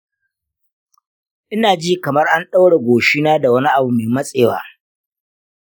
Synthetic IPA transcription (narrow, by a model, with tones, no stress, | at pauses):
ʔɪ˦naː˨d͡ʒi˦kɐ˨mɐ˦rʔa˦nɗa˦wɽe˨ɡʷoː˨ʃi˦naː˦da˨wɐ˦ni˦ʔa˨bu˨meː˨mɐ˦sʼeː˨wa̰ː˨